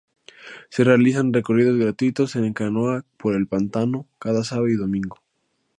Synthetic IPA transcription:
se̞re̞alisanre̞ko̞riðo̞zɣɾat̪wit̪o̞senkanoapoɾe̞lpant̪ano̞kaðasaβaiðomĩŋɡo

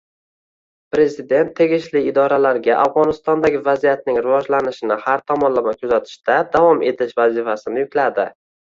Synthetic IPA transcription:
pɾe̞zɪd̪e̞nt̪ʰːe̞ɡʲɪʃlɪːd̪ɒɾalaɾɡʲaʔavʁɒnɪst̪ɒnd̪aɡʲɪvazijat̪̚nɪŋɾɪvɒd͡ʒlanɪʃɪnɪhaɾt̪ʰɒmɒnlamakʲʰɵzat̪ʰɪ̥ʃt̪ad̪avɒme̞t̪ʰɪʃvazɪfasɪnɪjʊkʲlad̪ɪ

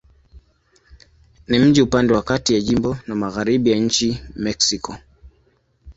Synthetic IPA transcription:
nim̩d͡ʒiupandɛwakatijaʄimbɔnamaɣaɾiɓijaɲ̩t͡ʃimɛksikʰɔ

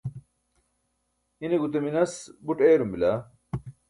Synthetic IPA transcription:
ineɡut̪eminɐsbuʈeːɾumbila

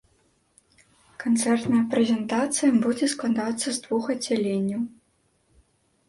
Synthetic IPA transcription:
kant̪sɛrt̪nɐjɐpɾɛzʲɛnt̪at̪sɨjɐbud͡zʲɛsklˠad̪at̪sːɐzd̪vuxɐd͡zʲalʲenʲːɐw

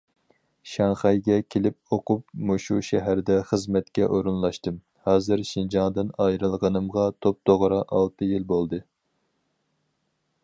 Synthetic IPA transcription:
ʃɑŋχɑjɡʲɛkʲʰelɪp̚oqup̚muʃuʃɛɦæɾd̪ɛχəzmɛt̪kʲɛʔoɾunlˠɑʃt̪ɨm | hɑːzɨɾʃind͡ʒɑŋd̪ɨnɑjɾɨlˠʁənɨmʁɑt̪ʰop̚d̪̥oʁɾɑʔɑlˠt̪ʰɨjilbolˠd̪ɨ

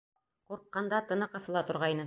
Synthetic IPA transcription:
quɾqːɑnd̪ɑt̪ɤ̆nɤqɤ̆sɤ̆lˠɑt̪ŏɾʁɑjnɤ

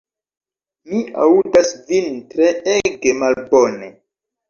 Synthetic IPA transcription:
mia̰udasvintɾeeɡe̞malbone

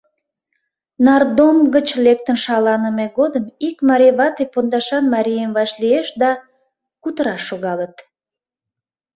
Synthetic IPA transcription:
nɑrd̪omɡət͡ɕlek̚t̪ənʃɑlɑnəmeɣod̪əmikmɑɾʲeβɑt̪epond̪ɑʃɑnmɑɾʲijəmvɑʃlieʃd̪ɑ | kut̪əɾɑʃːoɣɑlət̪

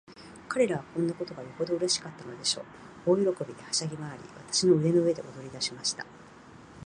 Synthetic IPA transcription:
kaɾe̞ɾaβ̞akõ̞nːako̞t̪o̞ɡajoho̞d̪o̞ɯ̟ɾe̞ɕi̥kat̪ːano̞d̪e̞ɕo̞ː | oːjoɾo̞ko̞bʲid̪e̞haɕaɡʲimaːɾʲḭβat̪ḁɕino̞ɯ̟ɾe̞no̞ɯ̟e̞d̪e̞̰ʔo̞d̪o̞ɾʲid̪aɕimaɕi̥t̪a̰

